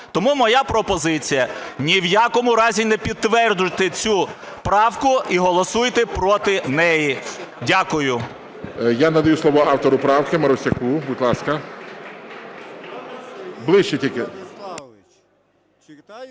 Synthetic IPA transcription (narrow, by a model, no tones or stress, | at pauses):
t̪ɔmumɔjapɾɔpɔzɪt͡sʲijɐnʲiwjakɔmʊɾɑzʲinɛpʲid̪̚t̪ːʋɛrd͡ʒʊjt̪ɛt͡sʲu | pɾɑwkʊiɦɔlˠɔsujt̪ɛpɾɔt̪ɪnɛjidʲakʊjʊ | janɐd̪ɐjuslˠɔʋɔɑwt̪ɔɾʊpɾɑwkɪmɐɾɔsʲɐkubud̪ʲlˠɑskɐ | blˠɪʃt͡ʃɛtʲilʲkɪ